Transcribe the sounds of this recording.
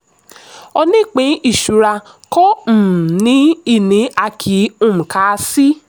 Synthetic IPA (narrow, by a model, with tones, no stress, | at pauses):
ɔ˧nĩ˦˨k͡pĩ˨˦ʔi˦˨ʃu˨ɾa˧ | kɔ˦m̩˨nĩ˦i˦˨nĩ˨˦a˦˧kʰi˨˦ũ˦˨m̩˨ka˧si˦